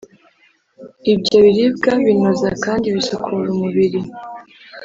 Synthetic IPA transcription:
ibɟoβiɾib̚ɡaβinozakaːndiβisokʰuɾumuβiɾi

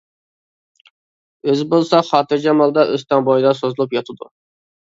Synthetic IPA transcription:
øzɪbolˠsɑχɑːt̪ɨɾd͡ʒɛmɑlˠd̪ɑʔøst̪ɑŋbɑjd̪ɑsozɨlˠupjɑt̪ʰɨd̪u

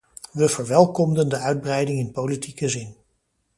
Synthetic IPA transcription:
ʋəv̥əɹʋɛlˠkɔmdəndəœɥd̚brɛjdɪŋɪnpowlitikəzɪn

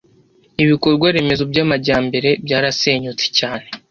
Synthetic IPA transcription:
iβiko̞ɾɡwaɾe̞me̞zobɟaːmaɟaːmbe̞ɾe̞bɟaːɾase̞ːɲut͡se̥caːne̞

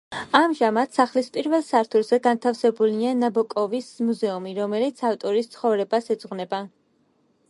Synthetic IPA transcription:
amʒamad̪̥saχlispʼiɾvɛlˠsaɾt̪ʰuɾz̥ɛɡant̪ʰafsɛbulianabɔkʼɔvismuzɛumiɾɔmɛlit̪sʰaft̪ʼɔɾist̪sʰχɔvɾɛbasɛd̪z̥ʁwnɛba

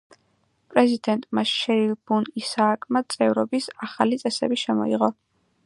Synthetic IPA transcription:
pʼɾɛzid̪ɛnt̪ʼmaʃʃɛɾilb̥unisaːkʼmat̪sʼɛvɾɔbisaχalit̪sʼɛsɛbiʃɛmɔ̰iʁɔ

